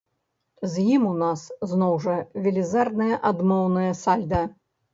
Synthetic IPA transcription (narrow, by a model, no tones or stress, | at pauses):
zjimunasznɔwʐɐvʲɛlʲizard̪nɐjɐʔad̪mɔwnɐjɐsalʲd̪ɐ